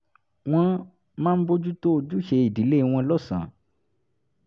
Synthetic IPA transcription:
w̃ɔ̃˧ | mãː˦n̩˦bo˦d͡ʒu˦to˦˧d͡ʒu˦ʃe˧i˨di˨˦le˦˨˧w̃ɔ̃˧lɔ˦sã̰˨

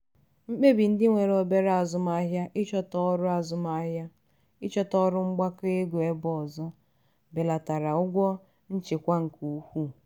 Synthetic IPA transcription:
ŋ͡m̩˦k͡pe˦bi˨n̩˦dɪ˦ŋʷe˨ɾo˨be˦ɾa˨zʊ˦m˦a˦ɦja˦ʔɪ˦t͡ʃɔ˦tɔ˦ɾʊ˦a˨zʊ˦ma˦ɦja˦ | ɪ˦t͡ʃɔ˦tɔ˦ɾʊ˦ŋ͡m̩˦ɡ͡ba˦ke˦ɡo˨e˦bɔ˨zɔ˦ | be˨la˨ta˨ɾa˨ʊ˦ɡʷɔ˦ | n̩˦t͡ʃe˨kʷa˦ŋ̩˨ku˨˦hʷu˦

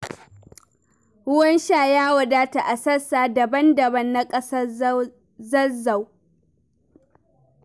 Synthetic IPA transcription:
hʊ˦wɐ˦nʃaː˦˨jaː˦wɐ˨daː˦ta˨ʔa˨sɐ˦saː˨dɐ˨bɐ˦ndɐ˨bɐ˦nːa˦kʼɐ˦sɐ˦ | zɐ˦za˨w

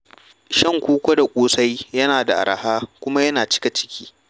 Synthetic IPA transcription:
ʃɐ˦˨ŋkʷoː˦kʷo˦da˨kʷʼoː˦sa˦jjɐ˦naː˨da˨ʔa̰˨ɾʔɐ˨haː˦kʷʊ˦ma˦jɐ˦naː˨t͡ʃɪ̥˦ka˨t͡ʃɪ̥˦kʲʰiː˦

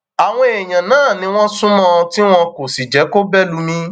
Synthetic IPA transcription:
a˨w̃ɔ̃˦e˨j̃ã˨nãː˦˨nĩ˧w̃ɔ̃˦sũ˦mɔ̃˦˧ti˦w̃ɔ̃˧ko˨si˨d͡ʒɛ˨˦ko˦bɛ˦lu˨˧˦mĩ˧

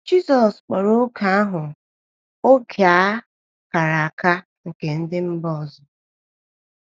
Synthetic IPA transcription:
d͡ʒi˦sɔ˨sk͡pɔ˨ɾo˦kʰa˦a˦ɦʊ˨ | o˦kʰe˨a˦ | ka˨ɾa˨a˨ka˦ | ŋ̩˨ke˨n̩˦dɪ˦m̩˦bɔ˦˨zɔ˨

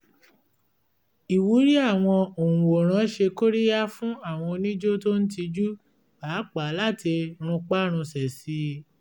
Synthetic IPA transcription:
i˨wu˨˦ɾi˦a˦˨w̃ɔ̃˧o˨ũ˨wo˨ɾ̃ã˨˦ʃe˧ko˦ɾi˦ja˦fũ˦a˦˨w̃ɔ̃˧o˧nĩ˦d͡ʒo˦to˦n̩˦t̬i˧d͡ʒu˦ | baː˨˦k͡pa˨˦la˦˨ti˧ɾ̃ũ˧k͡pa˦ɾ̃ũ˧sɛ˨si˨˧˦

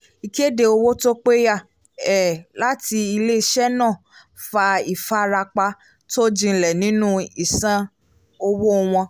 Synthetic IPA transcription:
i˨ki˦e˦˨de˧o˧wo˦to˦k͡pe˦ja˦˨ | ɛ˨la˨˦ti˧i˧le˦i˧ʃɛ˦nã˦˨ | fa˧i˨fa˦ɾa˧k͡pa˧ | to˦d͡ʒĩ˧n̩˨lɛ˨nĩ˨˦nũ˦i˦˨sã˦ | o˧wo˦˧w̃ɔ̃˧

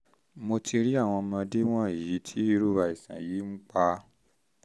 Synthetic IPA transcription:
mo˧tʰi˧ɾi˦a˦˨w̃ɔ̃˧mã˧de˦w̃ɔ̃˦˨ji˨˦tʰi˦i˧˦ɾu˦βa˧i˨sã̰˨ji˨˦ŋ͡m̩˦k͡pa˧

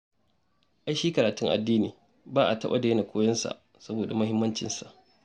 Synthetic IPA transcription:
ʔa˦jʃiː˦kɐ˨ɾaː˨tʊ˦ŋʔa̰˨dːiː˦niː˨ | baː˦ʔa̰˨tɐ˦ɓa̰˦da˨jna˨kʷoː˦jɐ˦nsa̰˨ʔ | sɐ˦boː˨da˨mɐ˦ɦɪ˦mːɐ˦nt͡ʃɪ˨nsa˨ʔ

